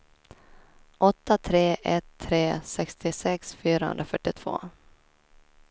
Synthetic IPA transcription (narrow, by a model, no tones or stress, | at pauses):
ʔɔt̪ːat̪ʰɾeːʔɛt̪ʰːɾeːsɛkst̪ɪsɛksfyːɾahɵ̰nd̪ɾafœʈːɪt̪ʰv̥o̰ː